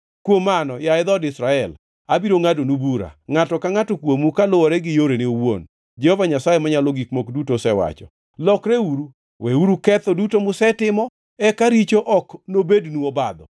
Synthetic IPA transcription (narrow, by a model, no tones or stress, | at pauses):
kwomanɔjaɪd̪ɔdɪsɾaɛl | abiɾoŋadonubuɾa̰ŋatɔkaŋatokwomukalʊɔɾɛɡɪjoɾenɪowo̰n | d͡ʒɛhovaɲasajemaɲaloɡikmokdutosɛwa̰t͡ʃɔ | lɔkɾɛuɾu | wʔɛuɾukɛt̪ɔdutomʊsɛtɪmɔ | ɛkaɾit͡ʃoʔɔknobednuobad̪ɔ̰